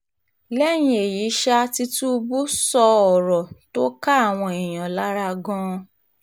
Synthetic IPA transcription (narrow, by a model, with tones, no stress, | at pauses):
lɛ˦˨j̃ĩ˧˦e˨ji˨˦ʃa˦ti˧tũ˦u˧bu˦sɔ˧ɔ˨ɾɔ˨to˦ka˦a˦˨w̃ɔ̃˧i˨j̃ã˨la˦ɾa˧ɡɔ̃˦